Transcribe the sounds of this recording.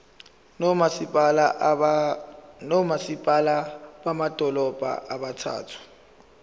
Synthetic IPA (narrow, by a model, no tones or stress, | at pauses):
nɔmasipʼalaɓamad̥ʱɔlɔb̥ʱa̰ʔaɓatʰa̰ːtʰu̥